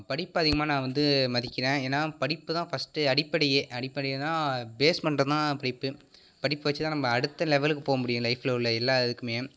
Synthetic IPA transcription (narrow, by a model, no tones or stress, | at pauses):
pɐɽɪpːɯɐðɪɣɐmaːnãːʋɐnd̪ɯmɐðɪkʲːɪɾẽːeːnːaːpɐɽɪpːɯt̪ãːfɐsʈɯɐɽɪpːɐɽɛjeːʔɐɽɪpːɐɽɛɪjɐãːbeːspɐnɖrɐðɯt̪ãːpɐɽɪpːɯ | pɐɽɪpːɯʋɐt͡ʃːɯt̪ãnɐmːɐːɽɯt̪ːɐlɛʋɛlɯkːɯpoːɣɐmʊɽɪjʊ̃lɐɪflɐʊɭːɐɛlːaːɛðɯkːɯmeː